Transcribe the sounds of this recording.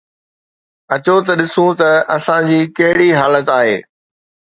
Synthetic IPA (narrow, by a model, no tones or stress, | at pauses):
ɐt͡ɕot̪ɐɗɪsũt̪ɐɐsãd͡ʑiːkɐɦɪɽiɦaːlət̪aːɦḛː